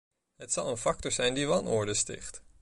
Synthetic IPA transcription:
ɦətsɑlˠənfɑk̚tɔɹzɛjndiʋɑnʊ̰ɹdəstɪ̰χt

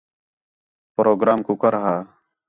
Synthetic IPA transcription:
pɾoːɡɾaːmkuːkəɾɦaː

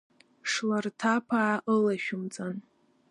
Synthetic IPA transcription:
ʂlartʰapʰaːʔəlaʃᶣʊmt͡sʼan

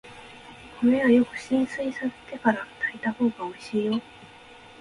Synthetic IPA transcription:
kʰo̞ɾe̞βajo̞kɯ̟ɕĩɰ̃sɨisase̥t̪e̞kaɾat̪ʰait̪aho̞ːɡao̞iɕiːjo̞

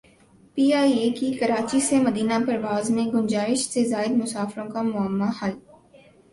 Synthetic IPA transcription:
piːaːiekikɐɾaːt͡ʃisemɐd̪iːnapɐɾʋaːzmẽɡʊnd͡ʒaːɪʃsezaːɪd̪mʊsaːfɾõkamʊəmːahal

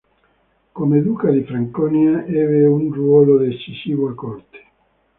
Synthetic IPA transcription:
komed̪uːkad̪ifɾaŋkɔniaɛːveunrwɔːlod̪et͡ʃːisiːvoakːɔrt̪e̥

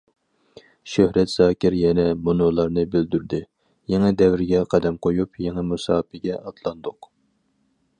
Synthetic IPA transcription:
ʃøhɾɛt̪z̥ɑːkʲɪɾjɛnɛmunolˠɑɾnɨbyld̪yɾd̪ɪ | jɛŋɛd̪ɛvɾɪɡʲɛqʰɛd̪ɛmqʰojupjɛŋɨmusɑːpɪɡʲɛʔɑt̪ʰlˠɑnd̪ʊq

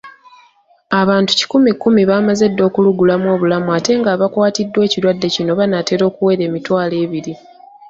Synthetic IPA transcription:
aβaːntu̥ci̥kumikːumiβaːmaze̞dːo̞ːkuluɡulamo̞ːβulamuate̞ŋɡaːβakwaːtidːwe̞ːciɾwadːe̞cino̞βanate̞ɾo̞ːkuwe̞ɾe̞ːmitwaːle̞ːβiɾi

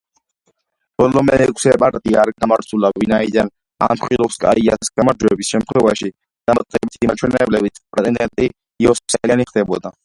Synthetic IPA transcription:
b̥ɔlɔmɛnɛkʷʼʰsɛpʼaɾt̪ʼiaɾɡʼamaɾsʰulavinaid̪an | a̰mχilɔpskʼa̰iasɡ̥amaɾd͡ʒɔɛbisʃɛmt̪χʰwɛvaʃi | d̪̥amat̪ʼqʼɛbit̪ʰimat͡ʃʰwɛnɛɛblɛbit̪spʼɾɛt̪ʼɛnd̪ɛnt̪ʼi | jɔssɛlaniχd̪ɛbɔ̰d̪a

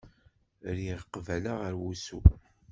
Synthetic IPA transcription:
ɾjiðqːvælaʁəɾwusu

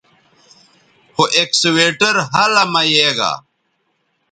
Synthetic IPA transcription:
hoʔeksweːʈɐɾɦɐlɐmɐjeːɣa̰

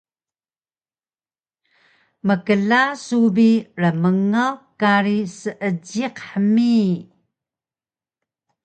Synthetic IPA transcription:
məkəlasubiɾəməŋawkaɾisəʔəd͡ʑiqħəmi

